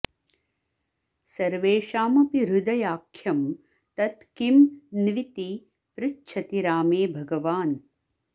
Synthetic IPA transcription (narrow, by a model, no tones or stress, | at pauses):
sɐɾʋeːʂaːmɐpiɾud̪ɐjaːkʰjɐm | t̪ɐt̪kimnʋit̪i | pɾɪtːt͡ʃʰɐt̪iɾaːmeːbʱɐɡɐʋaːn